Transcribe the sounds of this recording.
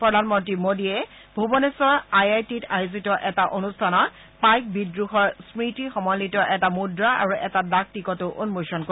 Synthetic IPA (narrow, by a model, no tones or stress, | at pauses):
pɹɔdʱanmɔntɹimodiɛ | bʱubɔnesɔɹajajtitajuzitɔʔɛtaʔonustʰanɔt | pajk̚bidɹuxɔɹsmɹitixɔmɔjlitɔʔɛtamudɹaa̰ɹuʔɛtadak̚tikɔtoʔonmojsɔnko